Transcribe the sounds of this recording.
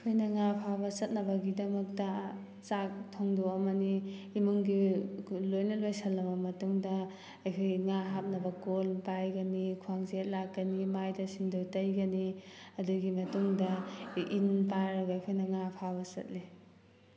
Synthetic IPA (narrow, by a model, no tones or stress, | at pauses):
kʰojnɐŋapʰabɐsɐt̚nɐbɐɡidɐmɐk̚tɐ | t͡ʃak̚tʰoŋdowɐmɐniːmuŋɡilojnɐlojsɐlːɐmɐmɐtuŋdɐ | ɐjkʰojŋaɦap̚nɐbɐkolpajɡɐnikʰuwaŋzet̚lak̚ːɐnimajdɐsindowtɐjɡɐniɐduɡimɐtuŋdɐinpaɾɐɡɐjkʰojnɐŋapʰabɐsɐ̰t̚li